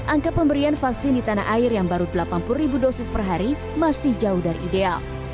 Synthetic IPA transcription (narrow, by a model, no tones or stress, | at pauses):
ʔaŋkapəmbəɾianfaksɪndit̪anaɦʔaɪrjaŋbaɾudəlapanpʊlribudosɪspərɦaɾi | masɪhd͡ʒaʊhdaɾḭʔidea̰l